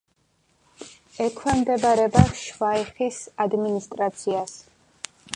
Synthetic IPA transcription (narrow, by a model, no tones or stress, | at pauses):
ɛkʰwɛmd̪ɛbaɾɛbaʃvaiχisad̪minist̪ʼɾat̪sʰias